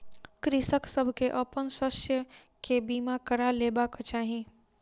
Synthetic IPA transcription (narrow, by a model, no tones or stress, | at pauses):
kɾɪsəksəbʱkeʔəpənsəsjə | kebimakəɾaleːbakt͡ʃaːɦi